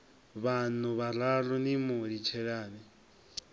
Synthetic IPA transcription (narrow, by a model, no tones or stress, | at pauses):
βanʊβaɾaɺɔnimʊɺit͡ʃʰɛɺaːnɛ